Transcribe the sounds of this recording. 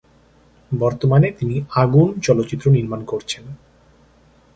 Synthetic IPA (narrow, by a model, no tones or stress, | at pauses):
bɔɾt̪omanet̪iniaɡunt͡ɕɔlot̪ːɕit̪ːɾoniɾmankoɾt͡ɕʰen